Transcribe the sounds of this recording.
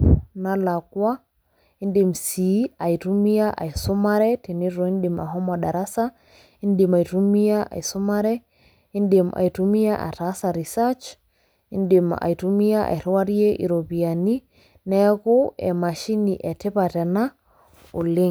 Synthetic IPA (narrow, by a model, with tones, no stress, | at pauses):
na˨la˨kwa˦ | i˦ndi˨msi˨a˨i˨tu˦mi˦a˦ʔa̰˨i˨sʊ˦ma˦ɾɛ˦te˨ni˦ɾo˨i˦nɗi˨ma̰˨ɦɔ˦ma˨ɗa˨ɾa˦sa˦ | i˦nɗi˨ma˨i˨tu˦mi˦a˦ʔa̰˨i˨su˦ma˦ɾɛ˦ | i˦nde˨mʔa̰˨i˨tu˦mi˦a˦ʔa̰˨ta˨˦sa˨ɾi˨sat͡ʃ | i˦nɗi˨ma̰˨i˨tu˦mi˦a˦ʔa̰˨i˨ɾa˦ɾi˦e˦ʔḭ˨ɾo˨pi˨a˨ni˦ | nɛ˦ko˦ɛ̰˨ma˨ʃi˦ni˨ʔɛ˨tɛ˦pa˨tɛ˨na˦ | o˨lɪ˦ŋ